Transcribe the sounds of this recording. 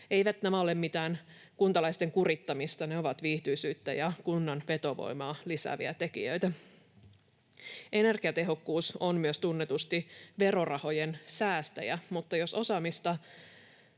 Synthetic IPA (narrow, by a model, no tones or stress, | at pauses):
e̞jʋæt̪næmæo̞le̞mmit̪æːn | kunt̪ɑlɑjst̪e̞ŋkurit̪ːɑmist̪ɑne̞o̞ʋɑt̪ʋiːht̪yisyːt̪ːæ̰jɑkunːɑnʋe̞t̪o̞ʋo̰jmɑːlisæ̰ʋḭæt̪e̞kḭjø̰jt̪æ | ʔe̞ne̞rɡ̥iɑt̪e̞ɦo̞kːuːsonmyøst̪unːet̪ust̪iʋe̞ɾo̞rɑho̞jensæːst̪æ̰jæ̰mut̪ːɑjo̞so̞sɑmist̪ɑ